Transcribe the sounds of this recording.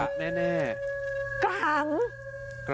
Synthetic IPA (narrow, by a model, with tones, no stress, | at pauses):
a˦˥ʔ̚nɛː˥˩nɛː˥˩ka˦ŋ | k